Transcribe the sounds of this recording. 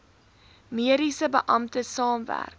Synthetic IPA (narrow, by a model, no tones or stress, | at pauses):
miəɾisəbəʔɐmtəsɑːmvæ̰rk